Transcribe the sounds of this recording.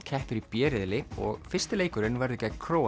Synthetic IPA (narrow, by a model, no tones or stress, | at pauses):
cʰɛhpʏɾipjɛːɾɪðlɪɔ̰ɣfɪr̥st̪ɪleːjkʏɾɪnvaɾðʏcɛkʰɾoːw